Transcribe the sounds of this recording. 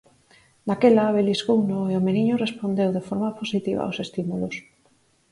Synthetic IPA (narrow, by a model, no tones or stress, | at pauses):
d̪akelaβelizɣownoeomeniɲorespond̪ewðefoɾmaposit̪iβ̞a̰wsest̪imulos